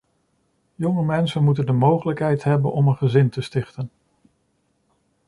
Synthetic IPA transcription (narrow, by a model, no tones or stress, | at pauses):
jɔŋəmɛnsənmutəndəmowχələkɦɛjtɦɛbənʔɔmənχəzɪntəstɪχtən